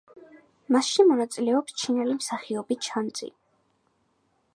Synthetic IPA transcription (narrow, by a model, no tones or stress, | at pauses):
masʃimɔnat̪sʼilɛɔpst͡ʃʰinɛlimsaχiɔbit͡ʃʰant̪sʼḭ